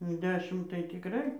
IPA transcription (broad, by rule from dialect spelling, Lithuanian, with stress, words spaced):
jɛʊ ˈdʲæːʃʲɪm tɐɪ tʲɪkˈrɐɪ